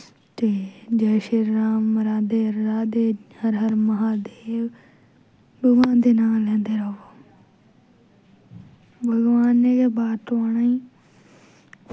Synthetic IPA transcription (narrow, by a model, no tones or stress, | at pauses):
t̪eːd͡ʒɛːʃeɾɾaːmːəɾaːd̪eːɾːaːd̪eːhɐɾɦɐɾmɐɦaːd̪eː | ɗʊʋãːnd̪eːnaːlɛ̃ːnd̪eɾɐo | bʱɐɡʋaːnekʰebaːʈoaːɳaːĩː